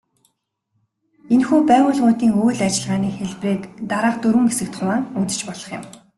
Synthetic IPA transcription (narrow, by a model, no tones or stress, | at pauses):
enxuːpæːʁʊːɮʁʊːt̪iːŋujɮat͡ɕɪ̆ɮʁaːniːxeɮpreːkt̪aɾaːqt̪ɵɾwɘ̆ŋɡesɘ̆k̚t̪χʊmaːŋut̪ɘ̥̆t͡ɕpɔɮɞ̆χjɪ̰̆m